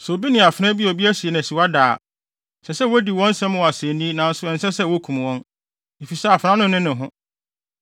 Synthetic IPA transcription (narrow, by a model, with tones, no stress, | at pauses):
sʊ˨o˨bi˦nɪ̃˨a˨fɾɛ̃˦bi˦ɔ˨bi˦æ˦si˨e˨nã˨si˨wa˦daː˨ | sɛ˨sɛ˦wo˦di˨wɔ̃˦n̩˦sɛ̃˦m˦wɔ˨a˨sẽ˨nĩ˦nã˨n̩˦sʊ˦ɛ̃˨n̩˦sɛ˦sɛ˦wo˦kʰũ˨m˨wɔ̃˦n | e˨fi˨sɛ˦a˨fã˦nʊ̃˦nɪ̃˦nɪ̃˨ɦʊ̃˦